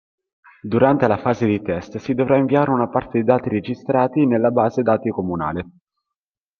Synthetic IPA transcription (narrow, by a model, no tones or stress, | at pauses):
d̪uɾant̪elafaːzed̪it̪ɛst̪sid̪ovɾaiɱviaːɾeunapart̪ed̪id̪aːt̪ired͡ʒist̪ɾaːt̪inelːabaːzed̪aːt̪ikomuna̰ːle